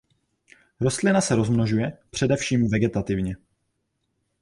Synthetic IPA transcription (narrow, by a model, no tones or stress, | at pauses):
ɾo̞st̪lɪnasɛɾo̞zmnoʒujɛpr̥ɛdɛfʃiːmvɛɡɛt̪at̪ɪvɲɛ